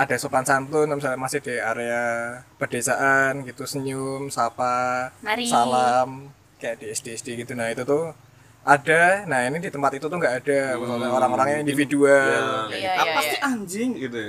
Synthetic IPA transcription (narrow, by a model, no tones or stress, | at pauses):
ada̤sokansant̪unamis̬alamasɪhd̥iaɾeapərd̥esaʔanɡit̪usəɲʊmsapa | salam | kajaʔd̥iɛsd̥iɛsd̥eɡit̪unait̪ut̪uh | adanainidit̪əmpat̪it̪ut̪ʊhŋɡaʔːd̥aməsaaoɾaŋoɾaŋɲaindifidualapat̪iaɲd͡ʒɪŋɡit̪